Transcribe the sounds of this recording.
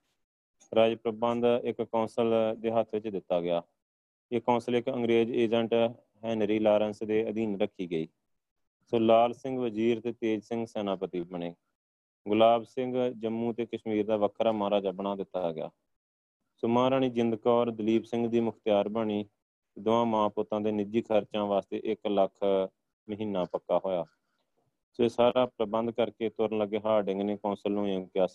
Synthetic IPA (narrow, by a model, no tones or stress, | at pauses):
ɾaːd͡ʒpɾəbənd̪ɪkːɔːnsəld̪eːɦət̪ʰʋɪt͡ʃd̪ɪt̪ːaːɡɪjaː | eːkɔ̃ːnsəlɪkəŋɡɾeːd͡ʒeːd͡ʒəɳʈ | ɦɛːnɾiːlaːɾənsd̪eːəd̪iːnɾəkʰːiːɡəiː | soːlaːlsɪ̃ŋɡʋəziːɾt̪eːt̪eːd͡ʒsɪ̃ŋɡsɛːnaːpət̪iːbəɳeː | ɡʊlaːbsɪ̃ŋɡd͡ʒəmːũːt̪eːkəʃmiːɾd̪aːʋəkʰɾaːmaːɾaːd͡ʒaːbəɽ̃aːd̪ɪt̪ːaːɡɪja̰ː | sʊːmãːɾaːɳ̃iːd͡ʒɪnd̪əkaɔːɾd̪əliːbsɪ̃ŋɡd̪iːmʊkʰt̪ɪjaːɾbəɳ̃iː | d̪ʊʋãːmãːpʊːt̪ãːd̪eːnɪd͡ʒiːkʰəɾt͡ʃãːʋaːst̪ḛːʔɪkləkʰ | məɦiːnaːpəkːaːɦoːjaː | soeːsaːɾaːpɾəbənd̪kəɾkeːt̪ʊɾənləɡːeːɦaːɖɪŋɡneːkɔ̃ːsəlõːə̃kjaːs